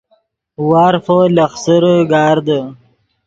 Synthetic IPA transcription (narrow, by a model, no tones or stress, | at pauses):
waːɾfolɐxsəɾəɡɑːɾd̪ə